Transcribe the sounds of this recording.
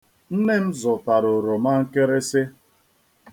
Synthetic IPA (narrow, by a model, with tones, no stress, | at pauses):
n̩˦ne˦m̩˦zʊ˨ta˨ɾʊ˨ɾo˨ma˦ŋ̩˦ke˦ɾe˦sɪ˦